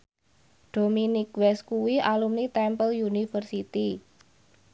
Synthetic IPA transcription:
ɖ̥ominikwɛskuwiʔalumnit̪ɛmpəljunifərsit̪i

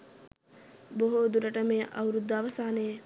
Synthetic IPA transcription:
boɦoːd̪uɾɐʈɐmeːʔɐ̰wɾud̪ːɐʋɐsaːne

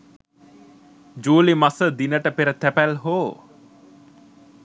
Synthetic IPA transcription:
d͡ʒuːlimasəd̪inəʈəpeɾət̪æpælɦoː

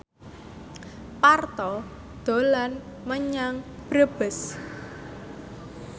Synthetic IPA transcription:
part̪ɔ | d̪̥o̤lanməɲaŋb̥ɾəb̥əs

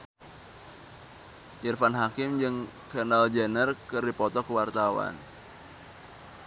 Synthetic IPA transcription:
jərfanɦakɪmd͡ʒɨŋ | kanald͡ʒənərkərdipɔt̪ɔkəwart̪awa̰n

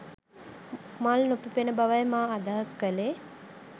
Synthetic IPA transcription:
malnopipenəbaʋajmaːd̪aɦəskəle

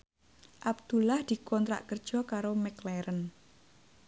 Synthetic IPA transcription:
ʔab̚d̪̥ulahd̪̥i̤kɔnt̪ɾa̰ʔkərd̥ʒ̥ɔ̤kaɾomɛklɛɾən

